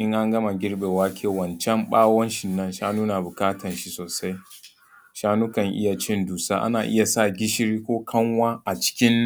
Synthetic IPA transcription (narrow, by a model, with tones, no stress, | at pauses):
ʔɪ˦ŋʔa˦ŋɡɐ˦ma˨ɡʲɪ˦ɽɓeː˨waː˦kʰʲeː˦˨wɐ˨nt͡ʃɛ˦mɓaː˦wɔ˦nʃɪ˨nːɐ˦nʃaː˦nuː˦na˨bʊ˨kaː˦tɐ˨nʃi˦soː˨sa˦j | ʃaː˦nuː˦kɐ˨ŋʔɪ̰˦ja˨t͡ʃɪ˦nduː˨saː˦ʔa̰˦naː˨ʔɪ˦ja˨sa˦˨ɡʲɪ˦ʃɪ˦ɾiː˦kʷoː˦kʰɐ˦ŋwaː˦ʔa˨t͡ʃɪ̥˦kʲɪ˦n